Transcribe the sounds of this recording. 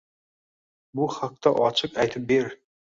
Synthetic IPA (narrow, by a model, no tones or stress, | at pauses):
buχɑq̚t̪ɑʔɒt͡ʃʰɨqæjt̪ʰɨp̚beɾ